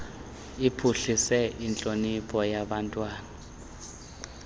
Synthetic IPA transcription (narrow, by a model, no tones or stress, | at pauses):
ipʰuɬisɛint͡ɬʼonipʰʼɔjaɓantʼwaːna